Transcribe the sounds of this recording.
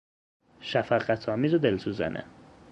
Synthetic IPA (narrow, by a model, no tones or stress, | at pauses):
ʃæfæqæt̪ʰɒːmiːzod̪elsuzæ̰nʔḛ